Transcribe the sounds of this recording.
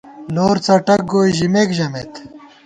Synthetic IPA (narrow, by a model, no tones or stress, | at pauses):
loːɾt͡sɐʈɐk̚ɡoːjʑimekʑɐmet̪